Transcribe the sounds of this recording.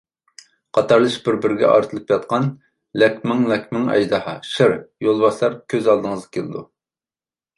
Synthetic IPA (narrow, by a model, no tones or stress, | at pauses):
qʰɑt̪ʰɑɾlˠɨʃbɪɾbɪɾɡʲɛ̰ʔɑ̰ɾt̪ʰɨlˠɨpjɑt̪qɑn | lɛkʲmɪŋlɛkʲmɪŋɛ̰jd̪ɑhɑʃɪɾjolˠbɑʃlˠɑɾkʲʰøzɑlˠd̪ɨŋəzʁɨkʲʰelɨd̪u